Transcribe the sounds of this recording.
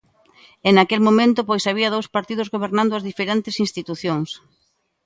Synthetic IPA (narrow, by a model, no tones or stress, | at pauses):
enakelmomẽnt̪ʊpojsaβ̞iɐðowspaɾt̪iðʊzɣoβeɾnãnd̪ʊazðifeɾent̪ɪsinst̪it̪uθjoŋs